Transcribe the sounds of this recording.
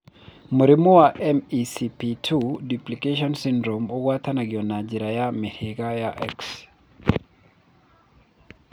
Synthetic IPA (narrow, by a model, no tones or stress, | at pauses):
muɾimowaʔɛmisipitʰudiplikeʃɔnsindɾomɔɡwat̪ʰanaɡɪɔnad͡ʒiɾajamehɪɡajaʔɛ̰ks